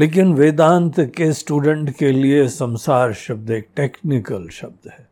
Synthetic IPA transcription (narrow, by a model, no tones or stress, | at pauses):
leːk̬ɪnʋeːd̪ãːnt̪kesʈuːɖə̃ɳʈkeliesɐ̃msaːɾʃɐb̚d̪eːk̚ʈeːknɪkəlʃɐb̚d̪hɛː